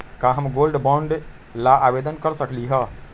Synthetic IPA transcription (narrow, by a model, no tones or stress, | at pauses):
kãɦəmɡolɖbãɳɖ | laʔabed̪ənkəɾsəkliɦə